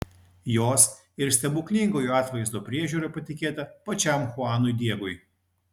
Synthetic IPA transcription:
joːs | ɪɾsʲt̪ʲɛbʊkʲnʲɪŋɡoːjuːɑːt̪ʋɐɪzd̪oːpʲɾʲiɛʒʲuːɾɐpɐt̪ʲɪkʲeːt̪ɐpɐt͡ʃʲæˑmxʊɑːnʊjd̪ʲiɛɡʊɪ

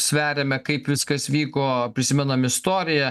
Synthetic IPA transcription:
sʲʋʲæːɾʲeːmʲɛkɐɪpʋʲɪskɐsʋʲiːkoːpʲɾʲɪsʲɪmʲɛnɐmɪst̪oːɾʲɪjɛ

